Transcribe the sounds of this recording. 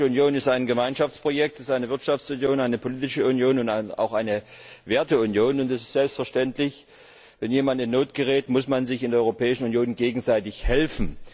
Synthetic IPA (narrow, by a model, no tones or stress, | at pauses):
əʊnjoːnɪstaɪnɡəmaɪnʃaft͡spʁ̥ojɛk̚tɪstʔaɪnəvɪɐtʃaft͡sʊnjoːnaɪnəpʰoliːtɪʃəʊnjoːnʊntaa̰ʊxʔaɪnəveːɐtəʊnjoːnʊntɛsɪ̥stz̥ɛlpstfɛɐʃtɛntlɪç | vɛnjeːmandɪnːoːtɡ̥əʁɛːtmʊsmanzɪçɪndeːɐɔʏʁopʰɛːɪʃn̩ʊnjoːnɡeːɡŋ̩zaɪtɪçhɛlfn̩